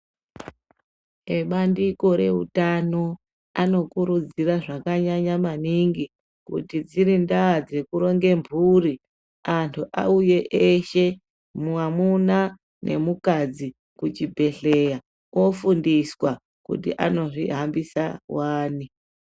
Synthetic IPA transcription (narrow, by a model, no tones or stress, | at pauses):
eɓandiko̞ɾe̞ɦṵtano̞ | ano̞kuɾud͡ziraʐakaɲaɲamaniŋɡi | kṵtid͡ziɾindaːd͡ze̞kuɾo̞ŋɡe̞mbʱuri | antʰuʔa̰uje̞ʔeʃe̞ | muamuna | nʔe̞̰mukad͡zi | kut͡ʃibʱe̞ɬe̞ja | wo̞fundiswa | kṵtḭʔano̞ʐḭɦambisawaːni